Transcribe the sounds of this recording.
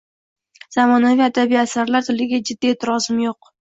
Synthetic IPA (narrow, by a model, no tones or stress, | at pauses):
z̥amɒnavijad̪abiasaɾlaɾt̪ʰɪlɪɡʲad͡ʒɪd̪ːiet̪ʰɪɾɒzɪmjoq